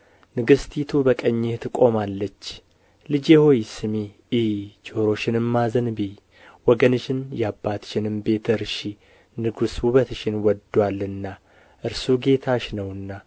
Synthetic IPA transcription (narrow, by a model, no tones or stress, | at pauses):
nɨɡɨst̪ʰit̪ʰubəkʼəɲːeht̪ʰɨkʼo̞malːət͡ʃː | lɨd͡ʒeho̞jsɨmiː | t͡ʃʼoɾo̞ʃɪnɨmːazənbi | wɔɡənɨʃɪnjabːat̪ʃɪnɨmbe̞t̪ʰɨɾʃi | nɨɡusuβət̪ɨʃɪnwɔd̪ːwalːɨnːa | ʔɨɾsuɡe̞t̪ʰaʃnəwɨnːa